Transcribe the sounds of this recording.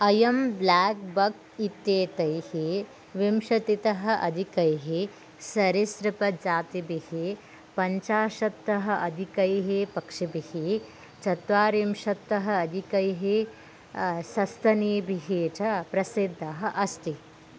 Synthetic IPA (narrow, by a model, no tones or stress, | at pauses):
ɐjɐmblaːk̚bɐk̚ | it̪jeːt̪ɐjhi | ʋimʃɐt̪it̪ɐɦɐ̆ʔɐ̰d̪ʱikɐjɦi | sɐɾisɾɪpɐd͡ʒaːt̪ibihi | pɐɲt͡ʃaːʃɐt̪ːɐɦɐ̆ʔɐd̪ʱikɐjɦipɐkʂibihi | t͡ʃɐt̪ʋaːɾimʃɐt̪ːɐɦɐ̆ɐd̪ʱikɐjɦi | sɐst̪ʰɐniːbʱiɦiːt͡ʃɐpɾɐsid̪ʱːɐɦɐ̆ʔɐst̪i